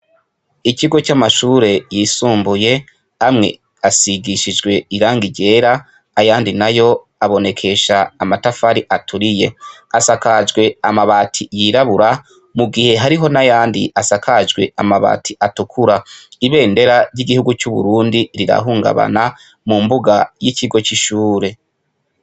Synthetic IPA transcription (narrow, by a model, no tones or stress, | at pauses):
iciɡo̞t͡ʃamaʃuːɾe̞jiːsuːmbuje̞ | amŋe̞̰ | asiɡiʃid͡ʒɡwe̞iɾaːŋɡiɟe̞ːɾa | ajaːndinajo̞ | aβo̞ne̞kʰe̞ʃaːmatafaɾiʔatʰuɾije̞asakad͡ʒɡwe̞amaβatʰijiɾaβuɾa | muɡihe̞ɦaɾiɦo̞najaːndiʔasakʰad͡ʒɡwe̞amaβa̰ːtʰiʔatukʰuɾaiβe̞ːnde̞ɾaɾɟiɡihuɡut͡ʃuβṵɾuːndiɾiɾa̰ɦuːŋɡa̰βa̰na | mumbuɡajiciɡo̞t͡ʃiʃuːɾe̞